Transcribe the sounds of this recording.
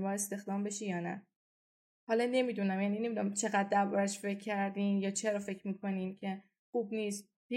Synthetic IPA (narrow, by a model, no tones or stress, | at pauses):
mɒːe̞st̪e̞xd̪ɒːmbe̞ʃijɒːnæ̰ | hɒːlɒne̞miːd̪unæmjæːnine̞mid̪unæmt͡ʃʰe̞ɣæd̪ːæɾbɒæjʃfe̞kʰːæɾd̪iːnjɒːt͡ʃʰe̞ɾɒːfe̞cʰmiːkʰo̞niːmcʰe̞ | xuːbniːst̪ | b̥i